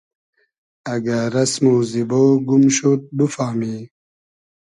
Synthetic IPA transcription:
ɐɡaɾɐsmuːziboːɡumɕot̪̚bufaːmiː

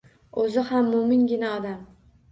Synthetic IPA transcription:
ɵzɪhamːʊmɪnɡʲɪnaɒd̪am

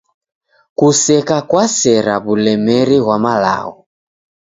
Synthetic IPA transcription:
kusɛkakwasɛɾaβulɛmɛɾiɣwamala̰ɣɔ

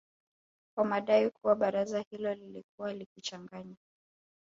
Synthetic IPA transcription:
kwamaɗaikʰuwaɓaɾazahilɔlilik̚uwalikit͡ʃaŋɡaɲa

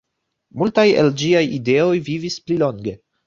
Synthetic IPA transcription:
multajḛld͡ʒiajide̞o̞jvivisplilo̞ŋɡe̞

